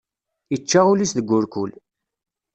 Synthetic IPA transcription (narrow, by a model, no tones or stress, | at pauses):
it͡ʃːaʁulisðəɡʷːʊɾkul